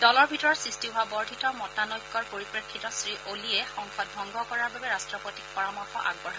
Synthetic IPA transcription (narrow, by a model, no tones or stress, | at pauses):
dɔlɔɹbʱitɔɹɔtsɹistiɦʊabɔɹdʱitɔmɔtanɔjkːɔɹpoɹipɹekʰːitɔsɹiʔoliɛxɔŋxɔd̚bʱɔŋɡʱɔkɔɹaɹbabɛɹastɹɔpɔtik̚pɔɹamɔɹxɔ̰ʔa̰ɡbɔɹa